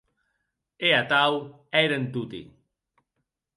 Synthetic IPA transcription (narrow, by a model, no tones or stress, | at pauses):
eat̪aw | ɛjɾənt̪ut̪ḭ